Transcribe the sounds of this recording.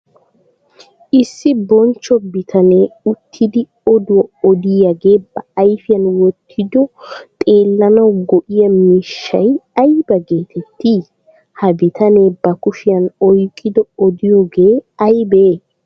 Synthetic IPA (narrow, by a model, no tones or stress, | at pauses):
ʔɪsːɪbɔnt͡ʃːɔbɪt̪ʰɐne̞ːʊt̪ʰːɪd̪ɪ | ɔd̪ʊɐɔd̪ɪjɐɡe̞ːbɐɐjfɪjɐnwɔt̪ʰːɪd̪ɔt̪ʼe̞ːlːɐnɐwɡɔʔɪjɐmiːʃːɐ̰jɐjbɐɡeːt̪ʰɛt̪ːi | hɐbɪt̪ɐne̞ːbɐkʊʃɪjɐnɔjkʼːɪd̪ɔɔd̪ɪjoːɡe̞ːɐjbeː